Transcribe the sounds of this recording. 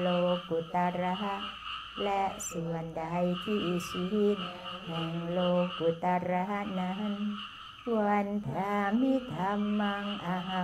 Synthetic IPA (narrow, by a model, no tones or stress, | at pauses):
loɡ̥ut̪aɾaɦaʔ | lɛʔsuwand̪aɦaikiːsuɦinmaŋloɡ̥ut̪aɾaɦanaɦan | uand̪ʱamid̪ʱamaŋaɦa